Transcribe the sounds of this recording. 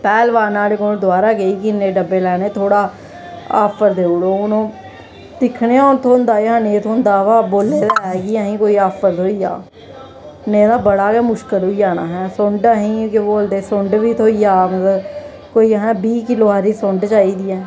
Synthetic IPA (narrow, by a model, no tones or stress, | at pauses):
pɛːlʋaːnãːɾeːkod̪ʊaːɾaːɡeiːkɪneːɖəbːeːlɛːneːt̪ʰoːɽaː | a̰ːpʰəɾd̪eːʊɽoːʊnõː | d̪ɪkʰneːaːʊnt̪ʰoːnd̪aːjãːneːt̪ʰoːnd̪aːʋaːboːlːeːt̪ːɛːɡiːaɦĩːkoːiːaːpʰəɾt̪ʰoːiːa̰ː | neːd̪aːbəɽaːkemʊʃkəlɦʊiːd͡ʒaːnaːɦɛːsʊɳɖaɦĩːkeboːld̪eːsʊɳɖʋiːt̪ʰoːiːaːmət̪ə | koːiːɦɛ̃ːbiːkɪloːaːɾiːsʊɳɖt͡ʃaːiːd̪iːɛː